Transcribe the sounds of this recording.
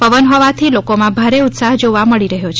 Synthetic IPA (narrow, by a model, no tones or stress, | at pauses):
pəʋənɦɔʋat̪ʰilokomãbʱaɾeut̪saɦd͡ʒoʋaməɭiɾəɦjot͡ʃʰe